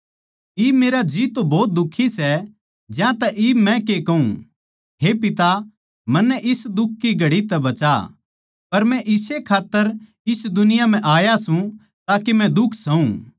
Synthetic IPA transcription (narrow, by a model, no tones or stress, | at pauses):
iːbmeːɾad͡ʒiːt̪ːobɔːt̪̚d̪ʊkʰːisɛ | d͡ʒjãt̪ɐʔiːbmɛ̃kekɐũ | ɦepɪt̪a | mɐnːɛʔɪsd̪ʊkʰːiɡɐɽit̪ɛbɐt͡ʃa̰ | pɐɾmɛ̃ʔɪsekʰaːt̪ːəɾ | ɪsd̪ʊnɪjam̤ɛ̃ʔaːjasũ | t̪aːkemɛ̃d̪ʊkʰsɐũː